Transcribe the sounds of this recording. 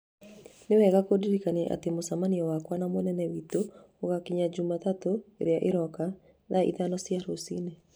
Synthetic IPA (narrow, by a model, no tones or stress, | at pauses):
newɛɣakodiɾikanɛ̰ʔa̰temosamaniɔwakwanamonɛnɛwito | oɣakiɲad͡ʑumatatoeɾeaʔeɾɔka | ðaʔḭðanɔsjaɾosine